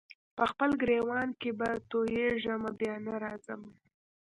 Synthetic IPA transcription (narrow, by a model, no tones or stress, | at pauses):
pəxpəlɡɾewɑnkebat̪ojeʒamabjɑnaɾɑzama